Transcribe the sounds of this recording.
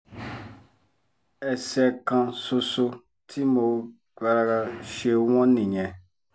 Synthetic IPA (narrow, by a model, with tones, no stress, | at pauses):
ɛ˨sɛ˧˦kã˧so˧so˧ | tʰi˦mo˨˦ | ka˧ɾa˧ɡa˧ʃe˦w̃ɔ̃˦nĩ˨ɲɛ̃˨